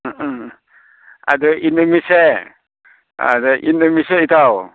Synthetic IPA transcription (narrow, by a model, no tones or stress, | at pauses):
a̰dɔʔinɯmise | a̰dɔʔinɯmiseitʰaw